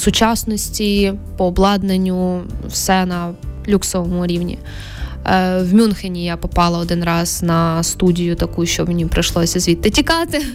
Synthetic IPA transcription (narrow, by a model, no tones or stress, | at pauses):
sʊt͡ʃɑsnɔsʲtʲipɔːblˠɑd̪nenʲːʊwsɛnɐlʲuksɔʋɔmʊɾʲiwnʲḭ | wmʲunxenʲijapɔpɑlˠɐɔd̪ɪnɾɑz̥nɐst̪udʲijʊt̪ɐkujʊʃt͡ʃɔmʲenʲipɾɐʃlˠɔsʲɐzʲʋʲit̪ːɐtʲikɑt̪ɪ